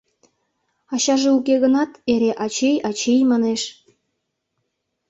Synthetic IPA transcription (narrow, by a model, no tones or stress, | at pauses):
ɑɕɑʒeukeɣənɑt̪eɾeʔɑt͡ɕejɑt͡ɕejmɑneʃ